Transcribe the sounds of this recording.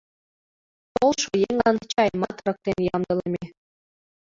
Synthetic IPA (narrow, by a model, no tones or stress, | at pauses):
t̪olˠʂŏjeŋɑnt͡ɕɑjmɑt̪ɤ̆ɾɤ̆k̚t̪ʲenʲjɑmd̪ɤ̆lʲˠɤmʲe